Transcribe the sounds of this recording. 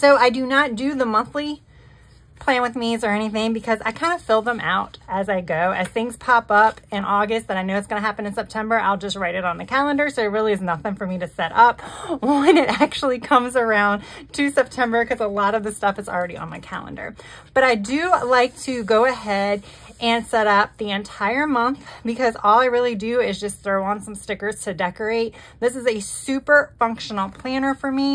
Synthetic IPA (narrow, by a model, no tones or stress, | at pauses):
soʊaɪdɨnət̚d̥ɨðəmʌ̃nθli | pʰl̥æ̃nwɨðmizə˞ɛñiθɪ̃ŋbɨkʰʌza̰ɪkʰãɪ̃ndəfɪlˠd̪̚ðə̃mʔa̰ʊɾɨzaɪɡoʊʔɨz̥θɪ̃ŋz̥pʰɑpʌpɨ̃nʔɔɡɨst̪̚ðɨɾaɪnoʊɨtsɡ̥ʌnɨɦæpɨ̃nɨ̃nsɛp̚tʰɛ̃mbə˞ʔa̰ɪlˠd͡ʒʌst̚ɹaɪɾɨɾn̩ðɨkʰælˠə̃ndə˞soʊɨt̚ɹɪlˠiɨznʌθɪ̃ŋfə˞miɾɨsɛɾʌp̚wɛ̃nɨɾæk̚t͡ʃul̩ˠikʰʌ̃mzə˞ãʊ̃ntʰɨsɛp̚tʰɛ̃mbə˞kʰʌzəlɔɾʌvðɨstʌfɨzl̩ˠɹɛɾḭə̰̃nðɨ̰kʰæ̰lˠə̰̃ndə̰˞b̥ʌɾaɪdɨlaɪk̚tʰɨɡoʊɨɦɛɾ | ʔɨ̃nsɛɾʌp̚ðiɨ̃ntʰaɪə˞mʌ̃nθb̥ɨkʰʌzɔlˠaɪɹɪlˠidɨɪzd͡ʒʌsθɹoʊə̃nsʌ̃mstɪkə˞z̥tʰɨdɛkə˞eɪt̪̚ | ðɪsɨzɨsʉpə˞fʌ̃ŋkʃən̩l̩ˠpʰl̥æ̃nə˞fə˞mi